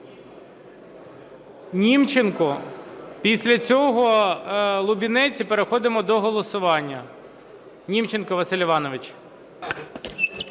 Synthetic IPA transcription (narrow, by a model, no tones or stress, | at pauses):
nʲimt͡ʃenkɔpʲisʲlʲɐt͡sʲɔɦɔ | lˠʊbʲinɛt͡sʲipeɾexɔd̪ɪmɔd̪ɔɦɔlˠɔsʊʋɑnʲːɐ | nʲimt͡ʃenkɔʋɐsʲɪlʲɪʋɑnɔʋɪt͡ʃ